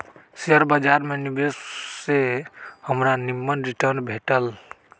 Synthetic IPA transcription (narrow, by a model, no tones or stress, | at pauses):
seəɾbəd͡ʒaɾmenibesːehəmɾanimːənɾiʈəɾnbʱeʈəl